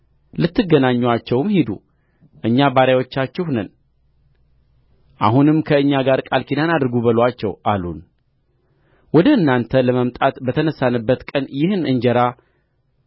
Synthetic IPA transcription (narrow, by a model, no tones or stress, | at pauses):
lɨt̪ːɨɡːənaɲːwat͡ʃːɛwmheid̪ṵ | ʔɨɲːabaɾjawo̞t͡ʃːat͡ʃːɪhnən | ʔa̰ɦunɨmkʰəɨɲːaɡaɾkʼalkʰinanad̪ɨɾɡubəlwat͡ʃːɛ̰wʔalṵn | wɔd̪əɨnːant̪ʰələməmt̪ʼat̪bət̪ʰənəsːanɨbːət̪kʼənjɪhɨnɨnd͡ʒəɾa